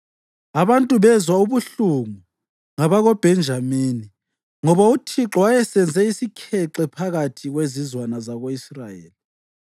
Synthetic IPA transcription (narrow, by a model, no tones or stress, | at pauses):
aβantʼuβɛzwauβuɬuŋu | ŋaβaɣɔb̥ʱɛnd͡ʒʱamiːni | ŋɔβautʰiǁɔwajɛsɛnd͡zʱɛisikʰɛǁɛpʰaɣatʰiɣwezizwanazaɣoisrajeːli